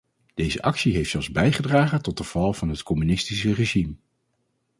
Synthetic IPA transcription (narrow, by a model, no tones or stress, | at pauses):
d̥ejzə̰ʔɑksiɦejftsɛlˠzbɛjχədraːχətɔt̚dəv̥ɑlˠvɑnɦətkɔmynɪstisəreʒim